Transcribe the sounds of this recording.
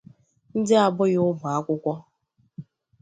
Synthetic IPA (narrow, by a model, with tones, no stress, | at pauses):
n̩˦dɪ˦a˨bʊ˦ɣʊ˦mʊ˨a˦kʷʊ˦kʷɔ˦